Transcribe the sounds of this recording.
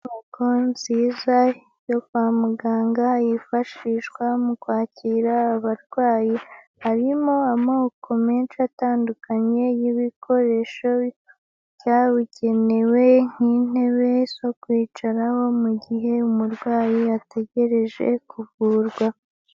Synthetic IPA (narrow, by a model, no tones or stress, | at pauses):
mukonziza | jo̞kwaːmuɡaːŋɡajifaʃiʃɡwamukwaːcʰiːɾaːβaɾɡwaːji | haɾimoamoːkʰo̞meːnʃataːndukʰaɲe̞jiβikʰo̞ɾe̞ʃo̞ | caːβiɟe̞ne̞we̞ŋ̥in̥e̞βe̞zo̞kwiːt͡ʃaɾaho̞muɟiɦe̞umuɾɡwaːjiate̞ɟe̞ɾe̞ʒe̞̰kʰuvuːɾɡwa